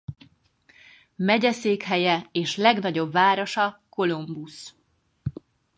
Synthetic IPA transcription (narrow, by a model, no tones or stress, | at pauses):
mɛɟɛseːkɦɛjɛeːʃlɛɡnɒɟo̞bvaːɾo̞ʃɒko̞lumbus